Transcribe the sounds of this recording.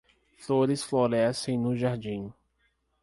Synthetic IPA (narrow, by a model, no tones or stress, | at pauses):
foɾɪsfloɾɛsẽj̃nʊʒaɾd͡ʒĩ